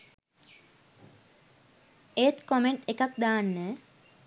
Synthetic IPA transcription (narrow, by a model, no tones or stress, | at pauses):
et̪komeɳʈekakd̪aːnːə